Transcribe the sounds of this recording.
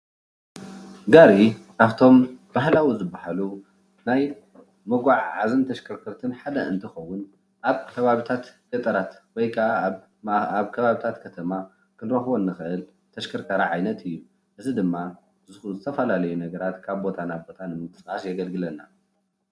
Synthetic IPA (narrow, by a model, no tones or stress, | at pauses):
ɡaɾiʔaβt̪ʰo̞mb̥ahlawizɨbːahalu | naj | mɐɡʷaʕʕazɨnt̪ʰɐʃkʰɐɾkʰɐɾt̪ʰɨnħad̪ɐɨnt̪ʰɨxɐwːʊn | ʔaβkʰɐβaβit̪ʰat̪ɡɐt̪ʼɐɾat̪wɔjkʰa | aβkʰɐβaβit̪ʰat̪kʰɐt̪ʰɐma | kʰɨnɾɐxβonːɨxɨʔɨl | t̪ʰɐʃkʰɐɾkʰɐɾaʕajnɐt̪ʰɨjːu | ʔɨzʰid̪ɨmːa | zɨxzɨt̪ʰɐfɐlalɐjunɐɡɐɾat̪kʰaβbo̞t̪ʰanabo̞t̪ʰanɨmɨnt̪ʰʼɨ̥sʕasjɛɡɐlɡɨlɐna